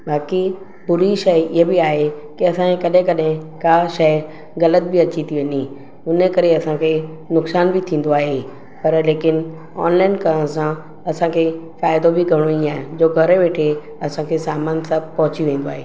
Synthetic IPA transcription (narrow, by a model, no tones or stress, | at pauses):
baːki | pʊɾiʃɐjɪɦebɪaːɦekiɐsãẽkɐɗɦɪ̃kɐɗɦɪ̃kaːʃɐ | ɣɐlət̪̚bɪɐt͡ɕit̪ʰiʋẽːni | ʊnə̆kɐɾeɐsãkʰe | nʊksaːnbɪt̪ʰĩːn̆d̪oaːɦe | pɐɾleːkɪn | ɔ̰ːnlaːɪnkɐɾəɽ̃sã | ɐsãkʰefaːɪd̪obɪɡɐɽ̃oĩaːɦɪ̃d͡ʑoːɡʱɐɾeʋeːʈʰe | ɐsãkʰesaːmaːnsabpɐɦʊt͡ɕiʋẽːn̆d̪oaːɦeː